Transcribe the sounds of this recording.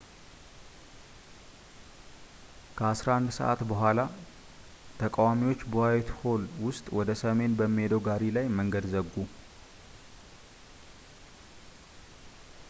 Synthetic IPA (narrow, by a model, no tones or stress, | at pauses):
kʰəasɾaand̪sə̰ʔa̰t̪bəɦʷala | t̪ʰəkʼawamiwo̞t͡ʃːbohawɛt̪ʰho̞lwʊst̪ʼwɔd̪əsəme̞nbəmːihe̞d̪əwɡaɾilajməŋɡəd̪zəɡːu